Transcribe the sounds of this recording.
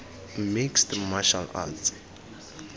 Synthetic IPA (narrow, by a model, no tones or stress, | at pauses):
mikstmaʃa̰la̰lt͡sʰi̥